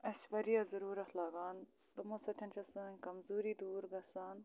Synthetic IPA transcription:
ɐsʋɐɾijaːzɐɾuːɾɐxʰlaːɡaːn | t̪ɐmõːsɐt̪ʰɐnt͡ʃʰɐsɐɐnʲkɐmzuːɾiːd̪uːɾɡɐsaːn

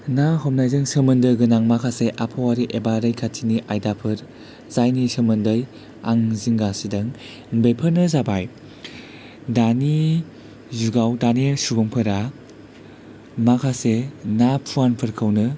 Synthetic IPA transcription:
naɦɔm̚najzɯŋsəmɯndɯjɡɯnaŋmakʰaseʔapʰɔwaɾiʔebaɾɯjkʰatʰiniʔajdapʰɯɾ | zajnisɯmɯndɯj | a̰ŋziŋɡasidɐŋ | nbejpʰɯɾnɯzabaj | dani | zuɡawdanisubɔŋpʰɯɾa | makʰasenapʰuanpʰɯɾkʰɯwnɯ

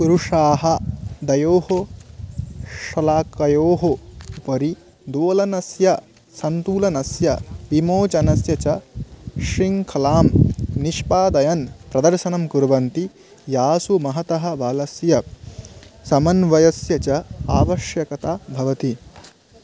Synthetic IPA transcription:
kuɾuʂaːɦɐd̪ɐjoːho | ʃɐlaːkɐjoːɦoupɐɾi | d̪oːlɐnɐsjɐ | sɐnt̪uːlɐnɐsjɐ̰bimoːt͡ʃɐnɐsjɐt͡ʃɐʃɾiŋkʰɐlaːmniʃpaːd̪ɐjɐnpɾɐd̪ɐɾʃɐnɐmkuɾʋɐnt̪i | jaːsumɐɦɐt̪ɐɦɐ̆ʋaːlɐsjɐ | sɐmɐnʋɐjɐsjɐt͡ʃɐaːʋɐʃjɐkɐt̪abʱɐʋɐt̪i

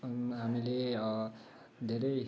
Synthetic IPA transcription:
ɦamile | d̪ʱeɾʌj

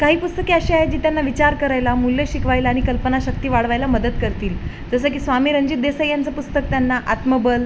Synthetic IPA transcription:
kaɦiːpust̪əkiəɕiaɦed͡ʑiːt̪janːaʋit͡ɕaɾkəɾajlamuljəɕikʰʋajlaːɽ̃ikəlpənaɕək̚t̪iːʋaɽ̤ʋajlaməd̪əd̪kəɾt̪iːl | d͡zəsəːk̬iːsʋamiːɾəɲd͡ʑiːt̪̚d̪esəjjant͡səpust̪ək̚t̪janːaʔat̪məbəl

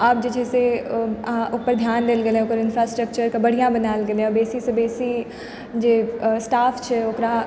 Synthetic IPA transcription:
aːp̚d͡ʒed͡ʒɛːse | opəɾd̪ʱjaːnd̪eːlɡelẽokəɾɪnfɾaːsʈɾəkt͡ʃəɾkabɐɽ̤ijãbənaːlɡelẽɔbeːsisebeːsi | d͡ʒeːsʈaːfʰt͡ʃʰɛokɾa

